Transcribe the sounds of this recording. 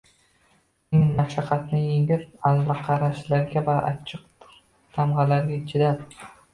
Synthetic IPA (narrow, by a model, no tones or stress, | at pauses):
ɪŋnaʃaqʰɑt̪nɪjeŋɪɾazlɑqʰɑɾaʃlaɾɡʲavaʔa̰t͡ʃʰɨq̚ | t̪ʰamʁɑlaɾɡʲat͡ʃʰɪd̪ad̪